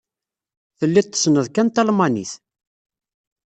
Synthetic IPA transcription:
θəlːit̪ːə̥snəðkænt̪ɑlmɑnḭθ

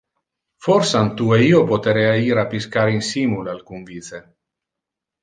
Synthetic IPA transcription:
fɔɾsant̪ueiːopot̪eɾɛaiːɾapiskaɾinsimulalkuɱvise

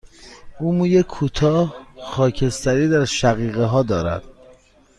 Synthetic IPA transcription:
ʔuːmujekʰːuːt̪ʰɒːhxɒːcʰest̪æɾiːd̪æɾʃæɣiːɣeɦɒːd̪ɒːɾæ̰d̪̥

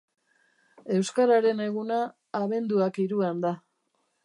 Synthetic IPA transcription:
e̞wskaɾaɾe̞ne̞ɣunaː | βe̞nd̪uakiɾuand̪a

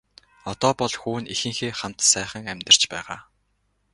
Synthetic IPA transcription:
ɔt̪ɔːpɔɮxuːnixɘ̆ŋxeːχam̥t̪sæːχə̆ŋæmʲt̪ə̆r̥t͡ɕpæːʁaː

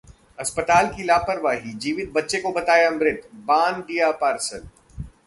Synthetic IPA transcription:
ɐspət̪aːlkilaːpəɾʋaːɦid͡ʒiːʋɪt̪̚bɐtːʃekobɐt̪aːjamɾɪt̪bãːnɖijapaːɾsəl

